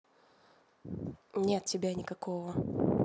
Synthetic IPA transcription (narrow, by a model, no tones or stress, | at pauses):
nʲet̪tʲːɪbʲanʲɪkɐkovə